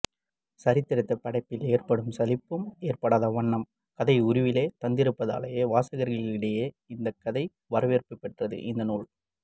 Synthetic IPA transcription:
sɐɾɪt̪ːɪɾɐɪt̪ːɐpːɐɽɐɪpːɪleːrpɐɽɯmsɐlɪpːɯmeːrpɐɽaːðɐʋɐɳːɐm | kɐðɐɪʊɾʊʋɪleːt̪ɐnd̪ɪɾɯpːɐða̰ːlɐjeːʋaːsɐɣɐɾɣɐɭɪɪɽɐjeː | ɪnd̪ɐkːɐðɐɪ | ʋɐɾɐʋeːrpɯpːɛʈrɐðɯ̰ʔɪnd̪ɐnuːɭ

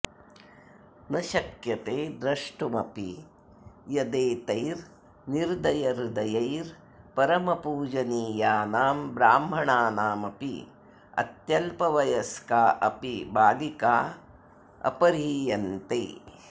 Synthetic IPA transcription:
nɐʃɐkjɐt̪eːd̪ɾɐʂʈumɐpḭ | jɐd̪eːt̪ɐjɾ | niɾd̪ɐjɐɾd̪ɐjɐjɾ | pɐɾɐmɐpuːd͡ʒɐniːjaːnaːmbɾaːmɦɐɳaːnaːmɐpḭ | ɐ̰t̪jɐlpɐʋɐjɐskaːʔɐpibʱaːɡikaː | ɐ̰pɐɾiːjɐnt̪ḛː

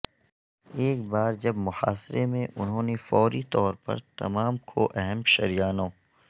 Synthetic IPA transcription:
eːkbaːɾd͡ʒɐbmʊxa̰ːsɾemẽʔʊnɦõːnefɔːɾit̪ɔːɾpɐ̰ɾt̪ɐ̰maːmkʰo̰ʔɛɦɛmʃɐɾijaːnõː

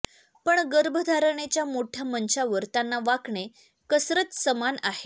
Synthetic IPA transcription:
pəɳɡəɾbʱəd̪ʱaɾəɳ̃et͡ɕjamoʈʰjamənɕaʋəɾt̪janːaʋakɳe | kəsɾət͡ssəmanaɦe

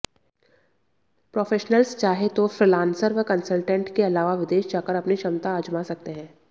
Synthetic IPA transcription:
pɾoːfeːʃnəlst͡ʃaːɦet̪ofɾɪlãːnsəɾʋəkɐnsəlʈə̃ɳʈkeɐlaːʋaʋɪd̪eːʃd͡ʒaːkəɾɐpniʃɐmt̪aːd͡ʒmasɐk̚t̪eɦɛ̃ː

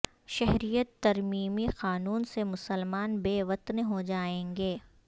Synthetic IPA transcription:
ʃɛɦɾijət̪ːɐɾmiːmixaːnuːnsemʊsəlmaːnbeːʋɐt̪nɦod͡ʒaːẽːŋɡeː

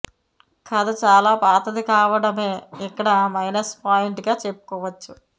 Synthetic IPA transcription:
kʰɐd̪ɐt͡ʃaːlaːpaːt̪ɐd̪ikaːʋɐɽɐme̞ːikːɐɽɐmɐjnɐspaːjiɳʈɡaːt͡ʃe̞pːu̥kɔːʋɐt͡ʃːu

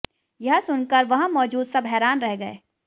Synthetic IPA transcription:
jɐɦsʊnkəɾʋɐɦmɔːd͡ʒuːd̪sɐbɦɛːɾaːnɾɛɦɡɐḛː

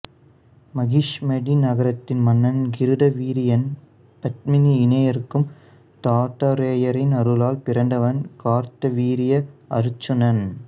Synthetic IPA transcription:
mɐɣiʂmɐɽinɐɣɐɾɐt̪ːɪnmɐnːɐnɡɪɾɯðɐʋiːɾɪjɐn | pɐt̪̚mɪniɪnɐjɐɾɯkːɯm | t̪aːʈ̪ːɐɾeːjɐɾɪnɐɾɯlaːlpɪɾɐɳɖɐʋɐnkaːɾt̪ɐʋiːɾɪjɐɐɾɯt͡ʃːɐnɐn

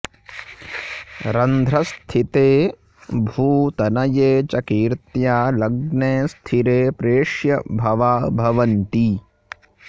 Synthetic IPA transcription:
ɾɐnd̪ʱɾɐst̪ʰit̪eː | bʱuːt̪ɐnɐjeːt͡ʃɐkiːɾt̪jaːlɐɡneːst̪ʰiɾeːpɾeːʂjɐbʱɐʋaːbʱɐʋɐnt̪i

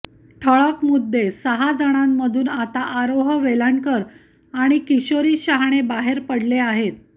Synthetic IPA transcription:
ʈʰəɭəkmud̪ʱːesəɦad͡zaɽ̃amːəd̪ʱuːnat̪aʔaɾoɦəʋelaɳkəɾ | aɽ̃ikiɕoɾiːɕaɦɽ̃ebaɦeɾpəɽleaɦet̪̚

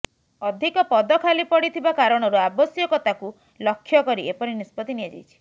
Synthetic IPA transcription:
ɔd̪ʱikɔpɔd̪ɔkʰalipɔɽit̪ʰibakaɾɔɽ̃ɔɾuabɔsjɔkɔt̪aku | lɔkʰːjɔkɔɾiʔepɔɾinispɔt̪iniad͡ʒa̰jt͡ʃʰi̥

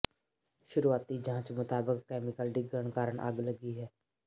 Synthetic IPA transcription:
ʃʊɾuːaːt̪id͡ʒʱãːt͡ʃmʊt̪aːbəkːɛːmɪkəlɖɪɡːəɳ̃kaːɾəɳʔə̰ɡləɡiɦɛː

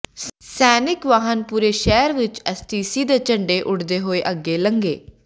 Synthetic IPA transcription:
sɛːnɪkʋaːɦənpuːɾeːʃɛːɾʋɪt͡ʃɛst̪iːsiːd̪eːt͡ʃəɳɖeːʔʊɽd̪eːɦoːeːʔəɡːeːləŋɡḛː

